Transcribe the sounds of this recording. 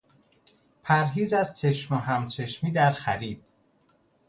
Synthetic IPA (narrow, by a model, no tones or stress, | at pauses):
pʰæɾɦiːzæzt͡ʃʰe̞ʃmoɦæmt͡ʃʰe̞ʃmiːd̪æɾxæɾiːd̪̥̚